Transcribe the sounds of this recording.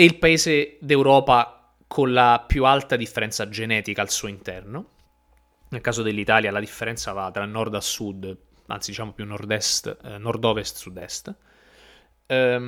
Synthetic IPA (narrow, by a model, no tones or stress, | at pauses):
eilpaeːzed̪ewɾɔːpa | kʰonlapjualt̪ad̪ifːeɾɛnsad͡ʒenɛːt̪ikaːlsuːoint̪ɛrno | nelkaːzod̪elːit̪aːljalad̪ifːeɾɛnt̪savat̪ːɾailnːɔrd̪asud̪ | a̰nt̪sid̪it͡ʃaːmopjunːɔrd̪ɛst̪nɔrd̪ɔːvest̪sud̪ɛ̰st̪